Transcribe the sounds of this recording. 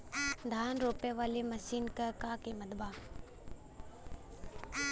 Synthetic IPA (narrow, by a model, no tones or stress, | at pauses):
d̪ʱaːnɾoːpeʋaːleməsiːnkɐkaːkeməd̪baː